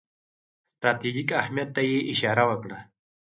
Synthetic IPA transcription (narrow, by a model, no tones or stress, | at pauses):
st̪ɾat̪ed͡ʒikahmijat̪ːajeʔɪʃɑɾawəkɽa